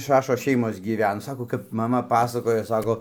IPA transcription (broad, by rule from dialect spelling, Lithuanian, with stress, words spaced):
ˈʃɑːʃoːs ˈʃʲɛɪmoːs ɡʲiːˈʋʲɛn ˈsɑːkoː kɐp ˈmɑːmɐ ˈpɑːsɐkoːjoː ˈsɑːkoː